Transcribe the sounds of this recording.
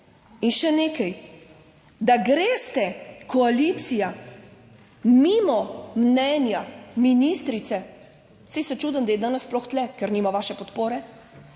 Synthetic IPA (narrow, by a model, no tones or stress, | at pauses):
inʃɛneːkɛj | d̪aɡɾeːst̪ɛkɔalit̪sija | mimɔmnɛnjaminist̪ɾit̪sɛ | sisɛt͡ʃuːd̪ənd̪ajɛd̪aːnəsːplɔxt̪lɛkɛɾniːmaʋaːʃɛpɔt̪poːɾɛ